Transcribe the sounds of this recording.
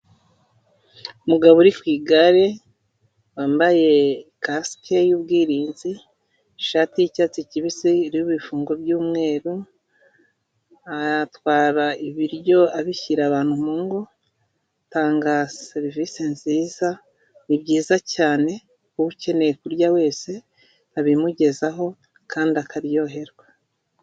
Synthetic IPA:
umuɡaβoɾikwiːɡaɾe̞ | waːmbaje̞kaskejuːb̚ɡiːɾiːnzi | ʃaːtijicaːt͡siciβisiːɾijuβifuːŋɡo̞bjuːmŋe̞ːɾu | atwaːɾaiβiɾjo̞aβiçiɾaβaːn̥humuŋɡo | taːŋɡaseɾvisenziːza | nibɟiːzacaːne̞ | kuβuce̞ne̞ekuɾjawe̞ːse̞ | aβimuɟe̞zaɦo̞ | kʰaːndiakaɾjo̞ɦe̞ɾwa

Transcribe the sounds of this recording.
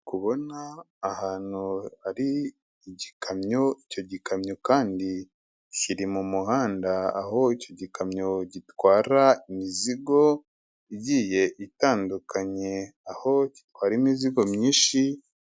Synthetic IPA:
kuβo̞naː | haːn̥huaɾi | ɟikʰamɲoico̞ɟikamɲokaːndi | ciɾimumuhaːndaa̰ɦo̞ico̞ɟikamɲo̞ɟitwaːɾaimiziɡo̞ | iɟiːje̞ʔitaːndukʰaɲe̞aho̞ci̥twaːɾiːmiziɡo̞mɲiːʃi

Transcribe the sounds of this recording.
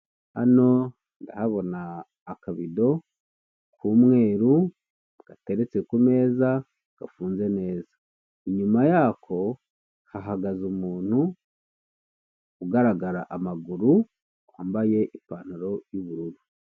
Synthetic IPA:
a̰no̞ | nda̰haβo̞naː | kaβido̞ | kʰumŋe̞ːɾu | ɡ̥ate̞ɾe̞t͡se̞kume̞ːza | ɡ̥afuːnze̞ne̞ːzḁ | iɲumajakʰo̞ | haɦaɡazumuːn̥hu | kuɡaɾaɡaɾa̰ʔamaɡuɾu | aːmbaje̞ʔipaːnuɾo̞juβuɾuɾu

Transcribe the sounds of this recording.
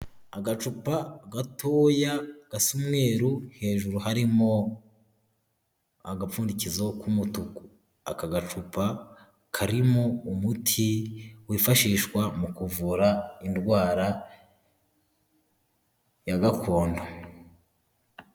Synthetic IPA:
aɡat͡ʃupaɡatʰoːjaɡ̥asumŋe̞ːɾu̥he̞ːʒuɾuhaɾimo̞ | aɡap͡fuːndicizokumutuku̥ | a̰kaɡat͡ʃupa | kʰaɾimoumutʰiwiːfaʃiːʃkwamukuvuɾaindwaːɾa | jaɡakʰo̞ːndo

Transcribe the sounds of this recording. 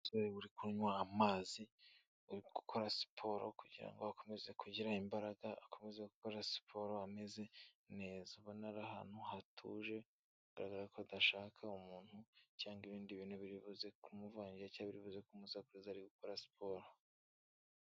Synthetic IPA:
zoeβuɾikuɲwaːmaːzi | ɡ̥ukʰo̞ɾasi̥pʰo̞ɾo̰kuɟiɾa̰ŋɡoako̞me̞ze̞kuɟiɾaimbaɾaɡaakʰo̞me̞zeɡukoɾasi̥pʰo̞ɾoame̞ze̞ | ne̞ːzauβonaɾaha̰ːn̥huhatʰṵʒe̞ | ɡa̰ɾaɡaɾakʰodaʃaːkʰaumuːn̥hucaːŋɡiβiːndiβiːnhuβiɾiβuze̞kumuvaːɲɟiacaːβiɾiβuze̞kumuzakuɾizaɾiɡukoɾasi̥pʰoɾo

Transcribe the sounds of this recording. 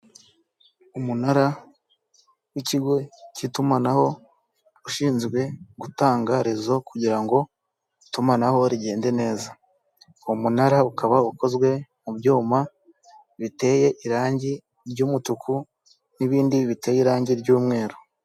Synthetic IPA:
umunaɾa | wiciɡo̞citumanaho̞ | uʃiːnzɡwe̞ɡutaːŋɡaɾizo̞kuɟiɾaŋɡo̞ | itumanaho̞ɾiɟe̞ːnde̞ne̞ːza | wumunaɾaukaβauko̞zɡwe̞mubɟuːma | βite̞ːje̞ʔiɾaːɲɟi | ɾɟuːmutuku | niβiːndiβite̞jiɾaːɲɟiɾɟuːmŋe̞ːɾu

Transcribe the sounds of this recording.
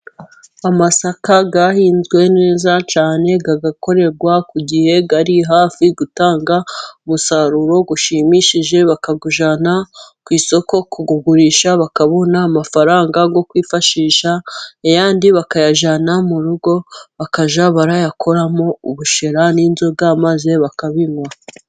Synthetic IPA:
amasakaɡahiːnzɡwe̞ne̞ːzat͡ʃaːne̞ɡaɡako̞ɾe̞ɾɡwakuɟihe̞ɡaɾiɦaːfiɡutaːŋɡaumusaɾuɾo̞ɡuʃiːmiʃiʒe̞βakaɡuʒanakwiːso̞ko̞kuɡuɡuɾiːʃaβakaβo̞naːmafaɾaːŋɡaɡo̞kwiːfaʃiːʃaejaːndiβakajaʒanamuɾuɡoβakaʒaβaɾajakʰo̞ɾamo̞uβuʃeɾaniːnzobɡamaze̞βakaβiŋwa

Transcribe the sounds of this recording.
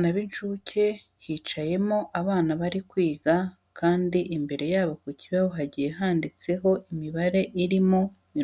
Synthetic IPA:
naβint͡ʃuːcʰe̞ | hit͡ʃaje̞mo̞ʔaβaːnaβaɾikwiːɡa | kʰaːndiʔimbe̞ɾe̞jaːβokuciβaβoɦaɟijeɦaːndit͡se̞ɦo̞ʔimiβaɾe̞ʔiɾimo | mi

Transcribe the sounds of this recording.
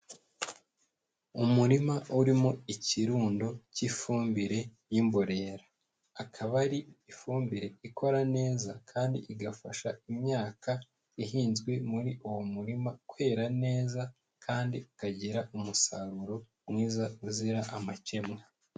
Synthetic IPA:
umuɾimauɾimo̞iciɾuːndocifuːmbiɾe̞ | jimbo̞ɾe̞ːɾḁː | kʰaβaɾiifuːmbiɾe̞ikʰo̞ɾane̞ːzakʰaːndḭʔiɡafaʃaimɲaːka | iɦiːnzɡwe̞muɾiʔuwomuɾimakwe̞ːɾane̞ːza | kʰaːndiukaɟiɾaʔumusaɾuɾo̞ | mŋiːzauziɾaʔamace̞mŋa

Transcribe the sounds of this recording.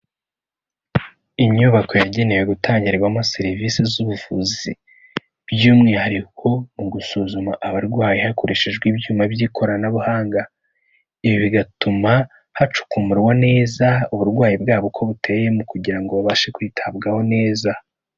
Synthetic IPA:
iɲuβako̞jaɟe̞nejeɡutʰaːɲɟiɾeɡwamaseɾiviːsizuβuvuzi | bjuːmŋihaɾikʰo̞muɡusuːzumaʔaβaɾɡwaːjihako̞ɾeʃeʒɡwibjuːmabjikʰo̞ɾanaβuhaːŋɡa | iβiβiɡatuma | hat͡ʃu̥kumuɾwane̞ːzauβuɾɡwaːjibɡaːβokʰo̞βute̞je̞mukuɟiɾaŋɡoβaβaʃe̞kwiːtʰabɡaho̞ne̞ːza

